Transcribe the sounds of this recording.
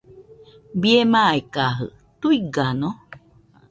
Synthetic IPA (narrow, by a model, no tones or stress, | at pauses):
biemaːikaɦɯ̰ | t̪uiɡano